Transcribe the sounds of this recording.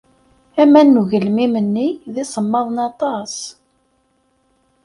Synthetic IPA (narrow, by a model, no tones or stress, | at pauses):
æmænːuʝəlmimənːiðɪsˤəmːɑðˤnɑt̪ˤɑs